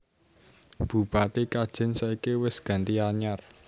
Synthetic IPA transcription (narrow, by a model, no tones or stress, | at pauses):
b̥ṳb̥at̪ekad̥ʒ̥ɪ̤nsaikewɪsɡ̥a̤nt̪iaɲar